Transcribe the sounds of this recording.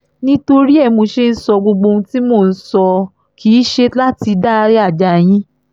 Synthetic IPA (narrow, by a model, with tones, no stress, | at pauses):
nĩ˦to˧ɾi˦ɛ˦˨mo˧ʃe˦n̩˦sɔ˧ɡ͡bo˧ɡ͡bo˧ũ˧ti˦mo˦˨n̩˦sɔ˧ | kʰiː˨˦ʃe˧la˦ti˧da˦˧ɾi˦a˦˨d͡ʒa˨j̃ĩ˦